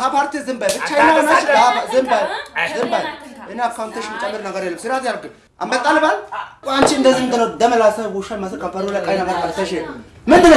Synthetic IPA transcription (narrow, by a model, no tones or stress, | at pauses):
ɦapaɾt̪izɨmbajbɨt͡ʃajnːabɐnat͡ʃapazɨmbajzɨmbajɨnakawnt̪eʃmt͡ʃʼɐmːɨɾnɐɡɐɾjelːɐmsɨɾat̪jalke | a̰mbɐt̪ʼːalbalkʷʼant͡ʃiɨnd̪ɐzɨnd̪ɨnod̪ɐmɐlasɐɡuʃanmɐsɨkɐmpɐɾlakʼajnɐɡɐɾkaɾsɐʃe | mɨnd̪ɨn